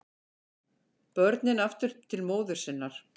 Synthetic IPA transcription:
pœɾt̪nɪnaft̪ʏɾ̥t̪ʰɪlmoːwðʏɾ̥sɪnːaɾ̥

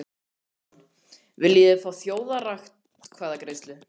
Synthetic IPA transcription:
vɪlːjɛfaːwθjoːwðaraxt̪ | kʰvaːðakɾejst̪lɪ

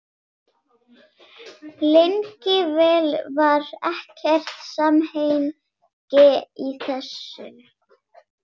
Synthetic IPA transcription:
lejŋcɪvɛːlvaɾɛhcɛr̥t̪samheːjn | cɛːiθɛsːʏ̰

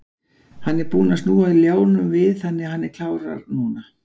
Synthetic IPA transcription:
hanːɛɾpuːnast̪nuːaðɪljoːwnʏmvɪðθanːɪahanːɛɾkʰl̥aːwɾa̰ɾnuːna

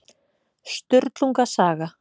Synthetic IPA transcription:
st̪ʏɾt̪luŋkasaːɣa

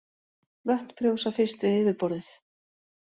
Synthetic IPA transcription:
lœht̪fɾjowsafɪr̥st̪vɪðɪːvɪɾpɔɾðɪθ

